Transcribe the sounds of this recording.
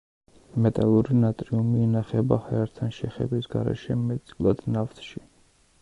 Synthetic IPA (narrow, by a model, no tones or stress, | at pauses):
mɛt̪ʼalˠuɾinat̪ʼɾiumiːnaχɛbahɛɛɾt̪ʰanʃɛχɛbisɡaɾɛ̰ʃɛmɛt̪sʼkʼlˠad̪̥naft̪ʰʃi